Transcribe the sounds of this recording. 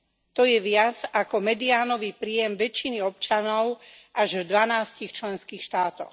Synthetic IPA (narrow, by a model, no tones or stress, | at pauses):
t̪ɔjɛʋɪad͡zakɔmɛd̪iaːnɔʋiːpɾiːjɛmʋɛt͡ʃːiniɔp̚t͡ʃanɔʊ | ʔaʒvd̪ʋanaːscixt͡ʃlɛnskiːxʃt̪aːt̪ɔ̰x